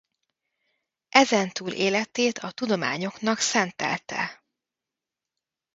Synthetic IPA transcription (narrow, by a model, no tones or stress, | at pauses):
ʔɛzɛnt̪uːlʔeːlɛt̪eːt̪ʰɒt̪ud̪o̞ma̰ːɲo̞knɒksɛnt̪ɛ̰lt̪ɛ̰